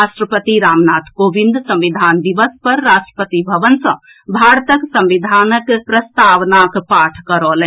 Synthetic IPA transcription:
aːʃʈɾəpət̪iɾaːmnaːt̪ʰkoːʋɪ̃nd̪sɐ̃mʋɪd̪ʱaːnd̪iʋəspɐɾːaːʃʈɾə̥pət̪ibʱɐʋənsɐ̃ | bʱaːɾt̪əksɐ̃mʋid̪ʱaːnəkpɾɐst̪aːʋnaːkpaːʈʰkɐɾoːlẽ

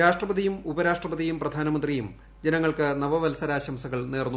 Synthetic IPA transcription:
aːʂʈrɐbɐd̪ijumubɐɾaːʂʈrɐbɐd̪ijumprɐd̪ʱaːnɐmɐnd̪rijum | d͡ʑenɐŋːɐɭkɨnɐʋɐʋɐlsɐɾaːɕɐmsɐɣɐɭneːrnːu

